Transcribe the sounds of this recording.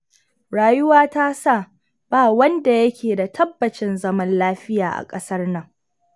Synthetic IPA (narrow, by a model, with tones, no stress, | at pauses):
ɽaː˨jʊ˦waː˦taː˦sa˦˨ | b̥aː˦˨wɐ˦nda˨jɐ˦kʲʰeː˨da˨tʰɐ˦bːɐ˨t͡ʃɪ˦nzɐ˦mɐ˦nlaː˦ɸɪ˦jaː˨ʔa̰˨kʼɐ˦sɐ˦rnɐ˨ŋ